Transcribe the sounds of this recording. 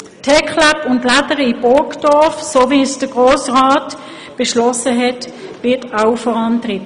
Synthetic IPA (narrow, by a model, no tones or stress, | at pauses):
tʰɛkχlapʊntladəʁəibɔkd̥ɔɐfsoːviːsd̥əɡ̥ʁoːsʁaːt | b̥eʃlɔsəɦɛt | ʋɪɐtawfɔʁɑntʁitə